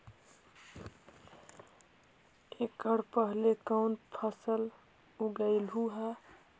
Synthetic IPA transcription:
ekəɽpəɦlekəwnpʰəsəl | uɡəɪlɦuɦə

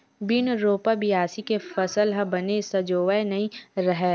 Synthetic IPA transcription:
binɾoːpabijaːsikefɐsəlɦəbɐnesɐd͡ʒoːʋəenɐɦĩɾɐɦɛ

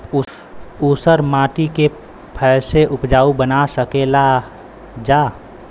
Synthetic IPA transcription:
uːsəɾmãːʈike | pʰɛseʔʊpd͡ʒaːubənasəkela | d͡ʒaː

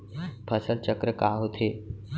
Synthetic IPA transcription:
pʰəsəlt͡ɕəkɾəkaɦot̪ʰe

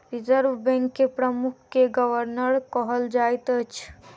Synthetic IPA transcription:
ɾizəɾʋbɛ̃ŋkːepɾəmukʰːeɡəʋəɾnəɾkɔɦəld͡ʒajt̪ət͡ʃʰ

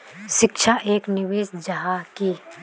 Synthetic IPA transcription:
ʃɪkʃʰaʔeːknɪʋeːsd͡ʒɐɦakiː

